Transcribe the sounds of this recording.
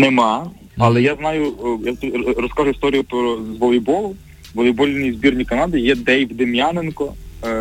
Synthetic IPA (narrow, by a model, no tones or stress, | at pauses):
nemɑ | ɐlˠɛjaznɑjʊjat̪rɔskaʒʊist̪ɔɾʲijʊpɾɔzʋɔlˠibɔlˠʊ | ʋɔlˠibɔlʲinʲizʲbʲirnʲikɐnɑd̪ɪjɛd̪ɛjwd̪ɪmjanenkɔ